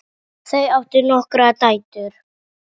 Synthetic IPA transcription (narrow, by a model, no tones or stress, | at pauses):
θejawht̪ɪɾnɔhkɾat̪aːjt̪ʏɾ̥